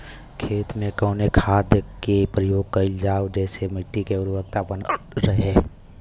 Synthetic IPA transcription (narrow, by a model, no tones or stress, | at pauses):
kʰeːt̪mẽkɔːnekʰaːd̪jəkepɾəjoːɡ̚kəld͡ʒaːod͡ʒɛːsemɪʈːikeʊɾbək̚t̪abən | ɾəɦeː